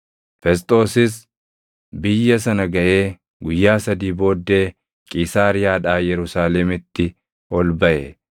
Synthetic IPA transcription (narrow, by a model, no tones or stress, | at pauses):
fɛs̬t̪ʼo̞ːsɪs | bɪjːɐs̬ɐnɐɡɐʔe̞ː | ɡʊjːaːsɐd̪iːbo̞ːd̪ːe̞ː | kʼɪsaːɾɪjaːᶑaːjɛɾʊsaːlɛmɪt̪ːɪ | ɔlbɐʔɛ